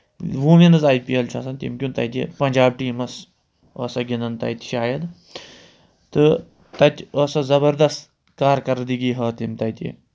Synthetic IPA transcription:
ʋuːminɨzaːjpijɐlt͡ʃʰaːsɐnt̪ḭmkʲunt̪ɐ̰jt̪ḛpɐnʲd͡ʒaːb̚ʈiːmɐs | əːsɐɡʲinɐnt̪ɐ̰jt̪ʲʃaːjɐd̪ | t̪ɨ | t̪ɐt̪ʲəːsɐzɐbɐɾd̪ɐst̪ | kaːɾkɐɾd̪iɡiːɦɐːt̪imt̪ɐjt̪ḛ

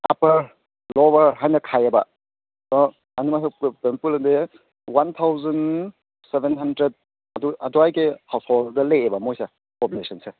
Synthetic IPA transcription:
a̰pɐɾ | lɔbɐɾɦajnɐkʰajɐbɐ | dɔ | ɐnimaspenpulɐnde | want̪ʰawzɐn | sebʱenɦandɾed̚ | ɐduɐdɔajkehawsholdɐleebɐmojsa | populesʰɐnse

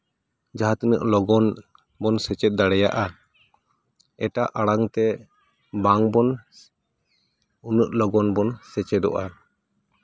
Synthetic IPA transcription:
d͡ʒaɦat̪ənə̰ʔlɔɡɔn | bɔnsɛt͡ʃɛt̪̚d̪aɽɛja̰ʔa | ɛʈaʔaɽaŋt̪ɛ | baŋbɔn | unəʔlɔɡɔnbɔnsɛt͡ʃɛd̪ɔ̰ʔa

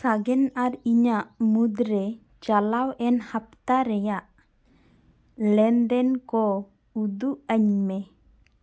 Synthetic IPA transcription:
saɡɛnaɾiɲaʔmud̪ɾɛ | d͡ʒalawʔɛnhap̚t̪aɾɛjaʔ | lɛnd̪ɛnkɔ | ud̪uʔaɲmɛ

